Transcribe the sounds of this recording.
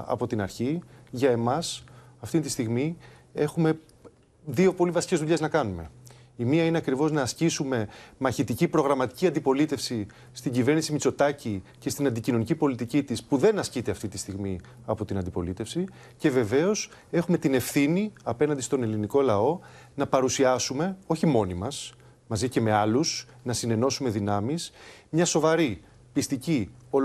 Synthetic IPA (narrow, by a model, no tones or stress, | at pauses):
ɐ̰po̞t̪inɐɾçiʝɐe̞mɐsɐft̪int̪ist̪iɣmi | e̞xume̞ | ðio̞po̞livɐsice̞zðuʎe̞znɐkɐnume̞̰ | imiɐineɐkɾivo̞znɐːscisume̞mɐçit̪icipɾo̞ɣɾɐmɐt̪i̥ciɐnd̪ipo̞lit̪e̞fsi | st̪iɟive̞ɾnisimit͡so̞t̪ɐcice̞st̪inɐnd̪icino̞nicipo̞lit̪icit̪ispuðe̞nɐscit̪e̞ɐft̪it̪i̥st̪iɣmi | ɐpo̞t̪inɐnd̪ipo̞lit̪e̞fsi | ce̞ve̞ve̞o̞s | e̞xume̞t̪ine̞fθiniɐpe̞nɐnd̪ist̪o̞ne̞liniko̞lɐo̞ | nɐpɐɾusiɐsume̞o̞çimo̞nimɐs | mɐzice̞me̞ɐlus | nɐsine̞no̞sume̞ðinɐmismɲɐso̞vɐɾi | pist̪icio